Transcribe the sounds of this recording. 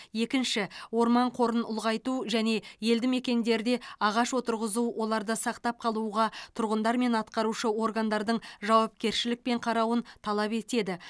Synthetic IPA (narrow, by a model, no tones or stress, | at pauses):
je̞kʲɪnʃɪwo̞ɾmɑɴqʰo̞ɾənʊ̰lˠʁɑjt̪uʒæne̞je̞ld̪ɪme̞kʲe̞nd̪e̞ɾd̪e̞ɑʁɑʃwo̞t̪əɾʁəzuwʔo̞lˠɑɾd̪əsɑqt̪ɑp̚qʰɑlˠuʁɑt̪ʰʊɾʁənd̪ɑɾme̞nɑt̪qɑɾuʃəwo̞rɡand̪ɑɾd̪əɴʒɑwɑp̚kʲe̞ɾʃɪlɪk̚pe̞ɴqʰɑɾɑwənt̪ʰɑlˠɑpe̞t̪e̞d̪ɪ